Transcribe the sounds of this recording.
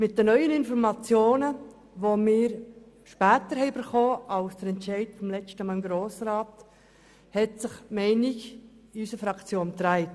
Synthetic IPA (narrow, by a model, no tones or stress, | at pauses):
mɪt̚d̥ənœʏənɪnfɔɾmɑt͡sjoːnə | ʋomɪːɾ | ʃpæːtəɾhɛɪbəɾχoːɑlsd̥əɾɛntt͡ʃɛɪtfɔmlɛt͡ʃtəmɑɪmɡɾoːsrɑːt | hɛtsɪχmɛɪnɪɡ | ɪysəfɾɑkt͡sjoːnt̪ɾæɪt